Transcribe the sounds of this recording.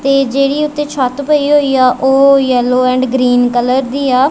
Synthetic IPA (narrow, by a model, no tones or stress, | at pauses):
t̪eːd͡ʒeːɽiːʊt̪ːeːt͡ʃʰaːt̪pəiːɦoːiːaːʔoːjɛloːɛ̃ːɳɖɡɾiːnkələɾd̪iːaː